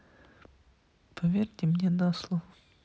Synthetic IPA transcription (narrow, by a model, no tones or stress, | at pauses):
pʰɐvʲerʲtʲɪmnʲenaslˠo